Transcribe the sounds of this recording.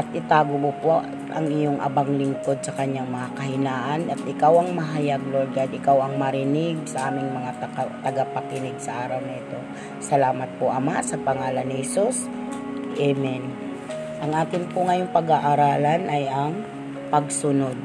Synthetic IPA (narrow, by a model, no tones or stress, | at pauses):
ʔɐt̪̚ʔɪt̪aːɡobopoʔ | ʔɐ̰ŋɪjoŋʔɐ̰baŋlɪŋko̞d̪̚sɐkɐɲːaŋmɐŋakɐɦɪnaːʔanɐt̪ʔɪkawɐŋmɐɦajaɡ̚loɾɡalɪkawɐŋmɐɾɪnɪɡ̚sɐʔaːmɪŋmɐŋat̪ɐkat̪ɐɡapɐkɪnɪɡ̚sɐʔaːɾɐwnɪɪt̪o̞ | sɐlaːmɐt̪̚poʔɐmasɐpɐŋaːlɐnɪhɛsus | ʔɛmɛn | ʔɐŋʔaːt̪ɪnpʊŋɐjoŋpɐɡaʔaɾaːlanʔɐjɐŋ | pɐɡ̚sʊnod̪̚